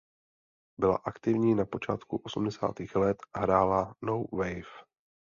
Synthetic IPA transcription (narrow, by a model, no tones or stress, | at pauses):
bɪla̰ʔakt̪ɪvɲiːnapo̞t͡ʃa̰ːt̪kuʔo̞sumdɛsa̰ːt̪iːxlɛt̪ɦɾaːlanowvɛjf